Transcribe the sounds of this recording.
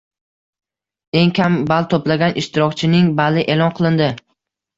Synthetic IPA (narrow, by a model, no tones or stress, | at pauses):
e̞ŋkʲʰambalt̪ʰoplaɡʲanʔɪʃt̪ʰɪɾɒkʲt͡ʃʰɪnɪŋbalɪʔe̞lˠɒnqʰɨlˠɪnd̪ɪ